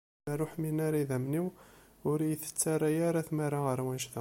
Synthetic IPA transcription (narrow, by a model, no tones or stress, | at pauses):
æɾʊħminæɾiðæmniw | ʊɾjəθə̥t͡sːaɾˤajaɾaθmaɾaʁəɾˤwænʃðæ